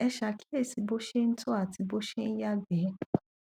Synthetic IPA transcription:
ɛ˧ʃa˨ki̥˦le˦˨si˨˧˦bo˦ʃe˦n̩˦tʰo˦a˦˨ti˨˧bo˦ʃe˦n̩˦ja˦ɡɛ˨˦

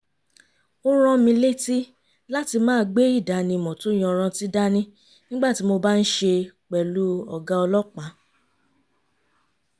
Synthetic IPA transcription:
o˦ɾ̃ã˧mĩ˧le˦ti˦ | la˦ti˧mãː˦˧ɡ͡be˦i˦˨da˨˦nĩ˧mɔ̃˨to˨˦˨j̃ɔ̃˧˨˧ɾ̃ã˧ti˦da˦nĩ˧ | nĩ˦ɡ͡ba˦˨ti˨˦mo˧ba˦n̩˦ʃe˧k͡pɛ˨lu˦ɔ̰˨ɡa˧ɔ˧lɔ˦k͡pã˨˦

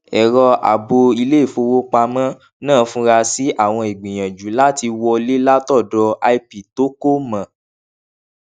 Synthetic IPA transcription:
ɛ˨ɾɔ˧ʔa̰˨bo˧i˧le˦i˦˨fo˧wo˦k͡pa˧mã˦ | nãː˦˨˧fũ˦ɾa˧si˦ʔa˦˨w̃ɔ̃˧e˨ɡ͡bĩ˨j̃ã˨d͡ʒu˨˦la˦ti˧wɔ˧le˦la˦tɔ˦˨dɔ˧ʔa˧i˧pi˨to˦ko˦mã˨

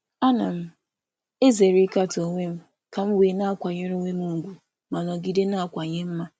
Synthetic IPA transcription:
a˦na˨m̩˦ | e˦ze˨ɾi˦ka˦to˨ŋʷe˦m̩˦ | ka˨m̩˦weː˨na˦a˦kʷa˨ɲe˦ɾo˦ŋʷe˦mu˦˨ɡʷu˨ | ma˨nɔ˨ɡi˦de˦na˦a˨kʷa˨ɲe˦m̩˦ma˦

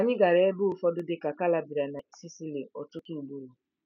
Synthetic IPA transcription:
a˨ɲɪ̃˦ɡa˨ɾɛ˨˦ɛ˦bu˦˨fɔ˦do˦de˦ka˨ka˦la˨bi˨ɾa˨na˨i˨si˦si˦le˨ɔ˨tu˦ki˦˨ɡ͡bu˦ɾo˨

